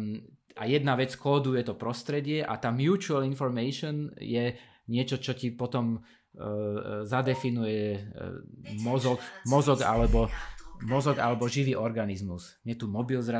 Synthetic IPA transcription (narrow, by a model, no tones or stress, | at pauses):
ajɛd̪naʋɛt͡skɔːd̪ujɛt̪ɔpɾɔst̪ɾɛɟɪɛʔa̰t̪aːmjuːt͡ʃualinfɔɾmɛʃɔnjɛ | ɲɪɛt͡ʃɔt͡ʃɔcipɔt̪ɔm | zad̪ɛfinujɛ | mɔzɔkmɔzɔɡa̰lɛbɔmɔzɔɡalɛbɔʒiʋiːʔɔɾɡanizmus | mɲɛt̪umɔbilzɾa